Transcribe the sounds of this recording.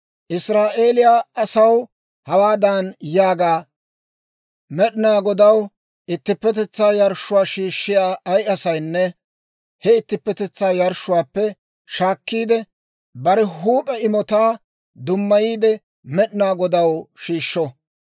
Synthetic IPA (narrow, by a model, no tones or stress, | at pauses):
ʔɪsɾaːʔe̞ːlɪjaːɐsɐw | hɐwaːd̪ɐnjaːɡaː | mɛɗɪnaːɡɔd̪ɐw | ʔɪt̪ːɪpːɛt̪̬ɛt͡sːaːjɐɾʃːʊwaːʃiːʃːɪjaːʔɐjɐsɐjnːɛ | hɛɪt̪ːɪpːɛt̪ɛt͡sːaːjɐɾʃːʊwaːpːɛ | ʃaːkːiːd̪ɛ | bɐɾɛɦuːpʼɛɪmɔt̪aː | d̪ʊmːɐjiːd̪ɛ | mɛɗɪnaːɡɔd̪ɐwʃiːʃːɔ